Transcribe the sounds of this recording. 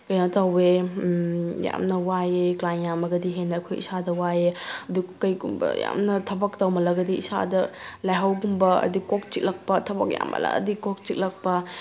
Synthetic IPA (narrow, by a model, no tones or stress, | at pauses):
kɐjnatɐwe | ja̰mnɐwajeklajnjamɐɡɐdiɦenɐɐkʰojḭsadɐwajeɐdukkːɐjɡumbɐ̰ja̰mnɐtʰɐbɐk̚tɐwmɐlɐɡɐdiisa̰dɐlajɦɐwɡumbɐɐ̰dikok̚t͡ʃit̚lɐk̚pɐtʰɐbɐk̚ja̰mːɐ̰la̰ɐ̰dikok̚t͡ʃik̚lɐk̚pɐ